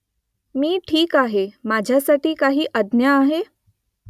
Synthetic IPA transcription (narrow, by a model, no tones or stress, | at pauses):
miːʈʰiːkaɦemad͡ʑʱjasaʈiːkaɦiːʔədnjaːɦe